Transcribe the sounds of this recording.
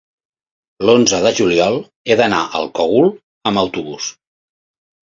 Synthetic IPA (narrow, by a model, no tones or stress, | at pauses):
lonzəðəʒuliɔlˠ | eðəna̰ʔə̰lˠkɔɣulˠ | əməwt̪uβus